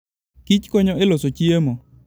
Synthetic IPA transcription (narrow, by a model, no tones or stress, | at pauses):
kit͡ʃkoɲɔelosot͡ʃiemo